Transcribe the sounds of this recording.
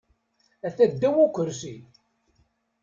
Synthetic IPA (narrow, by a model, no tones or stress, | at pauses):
æθæd̪ːæwukʷəɾsi